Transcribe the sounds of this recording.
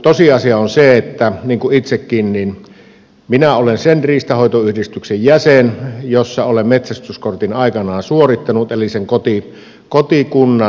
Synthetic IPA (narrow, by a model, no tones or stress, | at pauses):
t̪osiɑsiɑonseet̪ːæniːŋkuʔit̪sekːiːnnin | minæolensenriːst̪ɑhoˑet̪oyhdist̪yksejjæsenjosːɑolemmet̪sæst̪yskort̪inɑˑikɑnɑːsuorit̪ːɑnut̪eliseŋkot̪i | kot̪ikunːɑ